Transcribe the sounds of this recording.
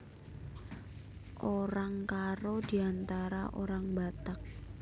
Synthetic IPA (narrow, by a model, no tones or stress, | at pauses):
ʔoɾaŋkaɾod̪̥i̤ant̪aɾa̰ʔo̰ɾaŋbat̪ak̚